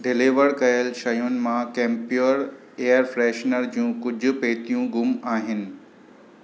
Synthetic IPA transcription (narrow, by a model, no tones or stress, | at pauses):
ɖɪliʋəɽkɐjəlʃɐjʊnɪ̆mãkẽːmpjoɾ | eːəɾfɾɛːʃnəɾd͡ʑiũːkʊd͡ʑʱʊ̆peːt̪ijũɡʱʊmaːɦɪnɪ̆